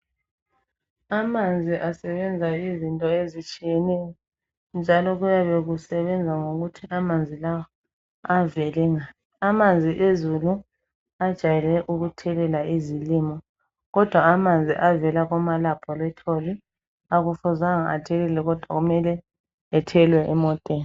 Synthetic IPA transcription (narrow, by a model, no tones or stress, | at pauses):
amand͡zʱiʔasɛβɛnd͡zʱaizintʼɔezit͡ʃʼijɛnɛjɔ | nd͡ʒʱalɔɣujaβeɣusɛβɛnd͡zʱaŋoɣutʰiʔamand͡zʱilawɔ | avɛlɛŋa | amand͡zʱiʔezulu | ad̥ʒ̥ʱajɛlɛʔuɣutʰɛlɛlaizilimɔ | ɣɔd̥ʱwaːmand͡zʱiʔavɛlaɣɔmalab̥ʰʱʼɔlɛtʰoli | aɣufɔzaŋaa̰tʰɛɣɛlɛɣɔd̥ʱwaɣumɛlɛ | ɛtʰɛlwɛʔɛmɔtʼeːni